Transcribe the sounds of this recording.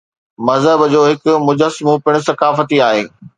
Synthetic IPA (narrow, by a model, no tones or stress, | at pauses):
mɐzɦəbd͡ʑoːɦɪkʊ̆mʊd͡ʑəsmũpɪɽ̃ʊ̆sɐkaːfət̪iaːɦḛː